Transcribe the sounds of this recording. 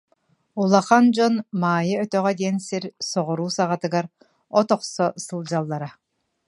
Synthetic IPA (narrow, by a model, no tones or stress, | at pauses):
ulˠaχand͡ʒɔnmaːjɯœt̪œʁɛd̪iɛnsiɾsɔʁɔɾuːsaʁat̪ɯɡaɾ | ɔt̪ɔqsɔsɯlˠd͡ʑalˠːaɾa